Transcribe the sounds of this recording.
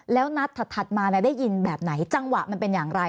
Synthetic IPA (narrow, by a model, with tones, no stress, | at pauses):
lɛː˦˥wna˦˥t̪ʰːa˨˩t̪ʰːa˨˩t̪̚maː˧na˧˥˩da˥˩ji˧nbɛː˨˩p̚na˩˦jt͡ɕa˧ŋwa˨˩ʔma˧npe˧njaː˨˩ŋɾa˧j